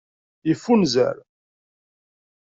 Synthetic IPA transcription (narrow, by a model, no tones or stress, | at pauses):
jəfːunzæ̰ɾ